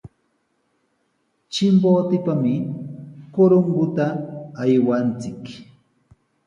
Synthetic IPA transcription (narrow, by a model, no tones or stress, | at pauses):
t͡ʃɪmboːt̪ɪpamɪ | koɾʊŋɡʊt̪aːjwant͡sɪk